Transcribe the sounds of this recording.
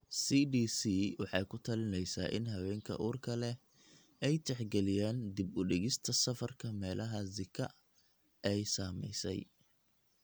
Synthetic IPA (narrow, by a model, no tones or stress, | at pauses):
siːdiːsiːwɑħɑjkʰʊt̪ʰɐlɪnɛjsa̰ːʔɪ̰nɦɐwɛːŋkʰɐ̰ʔuːrkʰɐlɛ | ɛjt̪ʰɛħɡɛlɪjaːnd̪ɪbʊɖɪɣɪst̪ʰɐsɐfɐrkʰɐmɛːlʔɐɦɐzɪkʰɐ | ʔɛjsaːmɛ̰jsɛ̰j